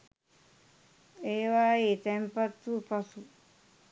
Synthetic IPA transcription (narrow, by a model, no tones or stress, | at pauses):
eːʋaːeːt̪ɛmpat̪ːupasu